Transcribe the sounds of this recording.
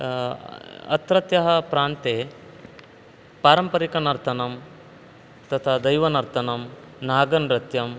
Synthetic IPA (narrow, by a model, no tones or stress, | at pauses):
ɐ̰t̪ɾɐt̪jɐɦɐpɾaːnt̪eː | paːɾɐmpɐɾikɐnɐɾt̪ʰɐnɐm | t̪ɐt̪ʰaːd̪ɐjʋɐnɐɾt̪ʰɐnɐm | naːɡɐnɾɐt̪jɐm